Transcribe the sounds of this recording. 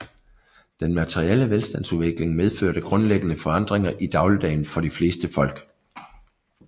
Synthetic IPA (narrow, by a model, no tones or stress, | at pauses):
d̥enmæt͡sʰeʁieləʋelsd̥æn̰suʋe̝ɡ̥le̝ŋmeðˠføɐɾ̥əɡ̥ʁɔ̽nleɡ̥ənəfɒ̽ɑ̈n̰d̥ʁeŋɐʔid̥ɑ̈ʊləd̥ɛɪnfɒ̽d̥ifle̝ːsd̥əfɒ̽l̰ɡ̥